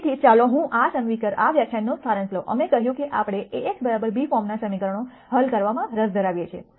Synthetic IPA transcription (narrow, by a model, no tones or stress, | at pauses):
t̪ʰit͡ʃaloɦũʔasəŋʋikəɾa̰ʋjakt͡ʃʰenːost̪ʰaɾə̃nsloʔə̰mekəɦjũkeʔapɽ̃eeːkbəɾabəɾbifɔmnasəmikəɾəɳo | ɦəlkəɾʋamãɾəsd̪ʱəɾaʋjet͡ʃʰḛ